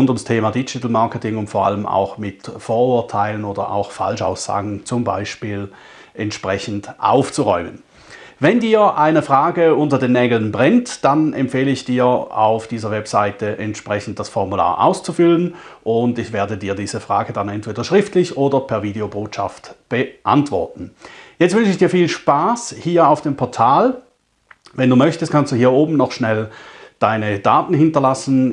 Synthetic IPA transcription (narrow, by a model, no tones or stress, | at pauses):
ʊndʊmstʰeːmadid͡ʒɪtl̩maɐkətɪŋʊntfɔːɐa̰ləma̰ʊxmɪtfoːɐʊːɐtʰaɪlənoːdɐʔa̰ʊxfa̰lʃa̰ʊsa̰ːɡn̩t͡sʊmba̰ɪʃpiːl | ʔɛntʃpʁɛçn̩tʔa̰ʊft͡suʁɔʏmən | vɛndiːɐʔaɪnəfʁ̥aːɡəʊntɐdeːnːɛːɡl̩ənbʁɛntd̥anɛ̰mpfeːləɪçd̥iːɐa̰ʊfd̥iːzɐvɛpsaɪtəʔɛntʃpʁ̥ɛçn̩t̚d̥asfɔʁmula̰ːɐʔa̰ʊst͡sufʏlənʔʊndɪçv̥eːɐdədiːɐdiːzəfʁ̥aːɡədanɛntv̥eːdɐʃʁ̥ɪftlɪçʔoːdɐpʰɛɐviːdeoboːtʃa̰ftb̥əʔa̰ntv̥ɔ̰ɐtn̩jɛt͡stvʏnt͡ʃəɪçd̥iːɐfiːlʃpaːshiːɐaʊfd̥eːmpʰɔɐtʰaːl | vɛnduːmœçtəstkʰanstd̥uːhiːɐoːbm̩nɔχʃnɛld̥aɪnəd̥aːtn̩ɦɪntɐlasn̩